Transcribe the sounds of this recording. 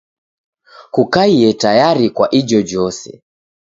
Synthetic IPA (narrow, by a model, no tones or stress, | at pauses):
kukaiɛtajaɾikwaʔid͡ʒɔd͡ʒɔsɛ̰